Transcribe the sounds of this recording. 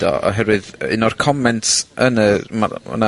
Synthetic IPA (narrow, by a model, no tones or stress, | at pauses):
d̥ɔ̰ɔ̰ɦɛɾwɨðɪ̰nɔrkʰɔmɛntʰənəma̰ə̰na